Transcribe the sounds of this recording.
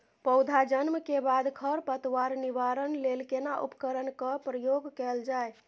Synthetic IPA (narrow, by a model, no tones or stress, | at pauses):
pəʊd̪ʱad͡ʒənməkebad̪kʰəɾpət̪waɾniʋaɾənlelkenaʔṵpə̥kəɾənkəpɾəjoɡkɛld͡ʒae